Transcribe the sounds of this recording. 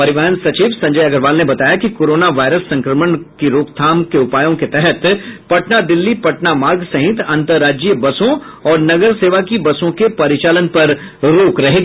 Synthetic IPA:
pɐɾɪʋəɦənsɐt͡ʃiːʋsɐ̃ɲd͡ʒəjɐɡəɾʋaːlnebɐt̪aːjakikoːɾoːnaʋaːɪɾəsːɐ̃ŋkɾəməɳkiɾoːkt̪ʰaːmkeʊpaːjõket̪ɛɦɛt̪pɐʈnad̪ɪlːipɐʈnamaːɡsɐɦɪt̪ɐ̃nt̪əɾːaːd͡ʒijəbɐsõ | ɔːɾnɐɡəɾseːʋakibɐsõkepɐɾɪt͡ʃaːlənpɐɾ | ɾoːkɾɐɦe

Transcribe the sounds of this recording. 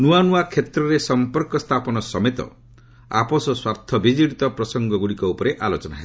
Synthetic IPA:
nuanuakʰet̪ɾɔɾesɔmpɔɾkɔst̪ʰapɔnɔsɔmet̪ɔ̰ | a̰pɔsɔswaɾt̪ʰɔbid͡ʒiɽit̪ɔpɾɔsɔŋɡɔɡuɽikɔupɔɾeʔalot͡ʃɔna̰ɦel

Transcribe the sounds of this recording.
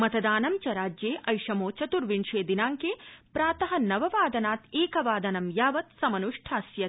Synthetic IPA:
mɐt̪ɐd̪aːnɐmt͡ʃɐɾaːd͡ʒjeːʔɐjʂɐmoːt͡ʃɐt̪uɾʋiɳʂeːd̪inaːŋkeːpɾaːt̪ɐɦɐ̆nɐʋɐʋaːd̪ɐnaːt̪eːkɐʋaːd̪ɐnɐmjaːʋɐt̪sɐmɐnuʂʈʰaːsjɐ

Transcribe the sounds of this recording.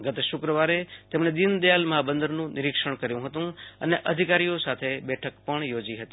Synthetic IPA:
ɡət̪eʃʊkɾəʋaɾet̪emɳed̪ind̪əjalməɦabənd̪əɾnũnɪɾikʃəɳkəɾjũɦət̪ũəneʔəd̪ʱikaɾijosat̪ʰebɛʈʰəkpəɳjod͡ʒiɦət̪i

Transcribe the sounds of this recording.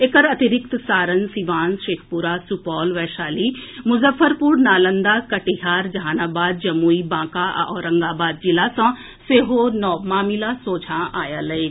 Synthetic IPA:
ekəɾɐt̪ɪɾɪk̚t̪saːɾənsiʋaːnʃeːkʰpuɾasupɔːlʋɛːʃaːlimʊzəfəɾpuːɾnaːlə̃nd̪akɐʈiɦaːɾd͡ʒɐaːnaːbaːd̪̚d͡ʒɐmuːibãːkaɔːɾɐ̃ŋɡaːbaːd̪̚d͡ʒɪlasã | seːɦonɔːmaːmilasoːd͡ʒʰʱãaːjalɐeː

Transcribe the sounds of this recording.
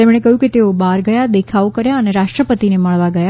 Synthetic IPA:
emɽ̃ekəɦjũket̪eobaɾɡəjad̪ekʰaokəɾjaəneɾaʃʂʈɾəpət̪ineməɭʋaɡəja

